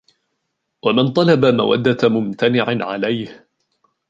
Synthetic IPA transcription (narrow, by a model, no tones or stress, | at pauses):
wamɪnt̪ˤɑlɑbama̰wa̰d̪ːamʊmt̪anɪʕɪʕa̰lajh